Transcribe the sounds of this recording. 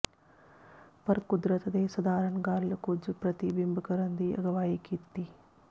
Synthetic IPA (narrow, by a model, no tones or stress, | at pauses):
pɐɾkud̪ɾɐt̪ɐd̪eːsɐd̪aːɾɐɳɡaːɾlɐkud͡ʒupɾɐt̪ibimbʱɐkɐɾɐnd̪iɐ̰ɡɐʋaːjikit̪ːi